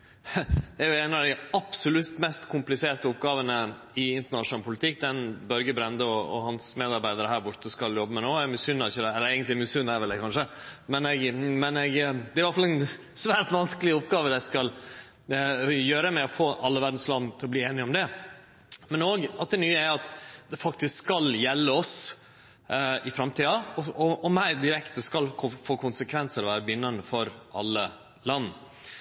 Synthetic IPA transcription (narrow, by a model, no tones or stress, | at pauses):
ɛæɾjʊæɪnɑd̪ɪɑpsʊlʉt̪mɛst̪kʰʊmplɪseːʈəʊpɡɑːʋənə | ɪɪnt̪əɳɑʂʊnɑləpʰʊlɪt̪ʰɪk̚ːd̪ɛnbœɾɡəbɾɛnd̪əɔɔ̰hɑnsmeːd̪ɑɾbæɪd̪əɾəɦæːɾbʊʈːəskɑljɔbːəmɛnoːæɾmysʏnːɑɾɪçəd̪ɛɛlːəɾɛɪɡənt̪lɪmyːsʉnːæɾʋɪld̪ɛkʰɑnʂəmɛnɛɡmɛnɛɡd̪ɛæɾʋɑɾfɑlɛn | sʋæːʈʋɑnskəlɪʊpɡɑːʋəd̪ɛskɑl | jøːɾəmɛɔfoːʔɑlːəʋæɾɖ̪n̩slɑnːt̪ʰɪlɔbliːeːnɪɔmd̪ɛ | mɛnoːɡɑt̪̚d̪ɛnyːəæɾɑt̪d̪ɛfɑk̚t̪ɪskskɑljɛlːəɔs | ɪfɾɑmt̪ʰiːɑɔɔɔmæɪd̪ɪɾɛkt̪əskɑlkʰʊfoːkʰʊnsəkʰʋɛnsəɾɔʋæːɾəbʏnːɑnəfɔɾʔɑ̰lːə | lɑnː